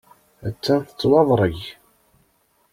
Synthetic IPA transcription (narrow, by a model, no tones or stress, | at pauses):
æt͡sːænθə̥t͡sːwɑðˤɾˤəʝ